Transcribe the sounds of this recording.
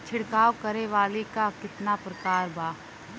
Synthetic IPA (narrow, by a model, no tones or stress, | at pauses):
t͡ʃʰɪɽkaːʋkɐɾeʋaːlikakɪt̪napɾɐkaːɾbaː